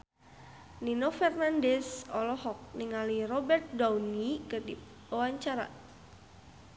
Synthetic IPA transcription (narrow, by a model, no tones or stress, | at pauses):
ninɔfɛrnandɛsɔ̰lɔhɔk̚niŋalirɔbɛrt̪̚dawnikədḭ | awaɲt͡ʃaɾa̰